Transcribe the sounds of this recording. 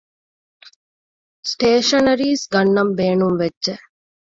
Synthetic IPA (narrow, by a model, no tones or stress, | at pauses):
sʈeːʃɐnɐɾiːsɡɐnːɐmbeːnumʋeːʒe